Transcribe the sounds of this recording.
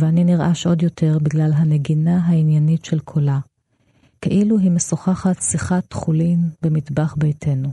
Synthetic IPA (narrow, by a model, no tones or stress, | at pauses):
veaniniʁʔaʃʔo̞djo̞tʰe̞ʁbiɡlalɦane̞ɡinaɦainjanitʃelkʰola | keʔiluɦimesoχaχatsiχatχulimbe̞mitbaχbejtʰe̞nu